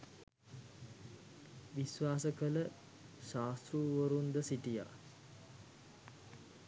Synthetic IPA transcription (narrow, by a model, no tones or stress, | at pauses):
ʋisʋaːsəkələ | ʃaːst̪ɾuːʋəɾund̪əsiʈija̰ː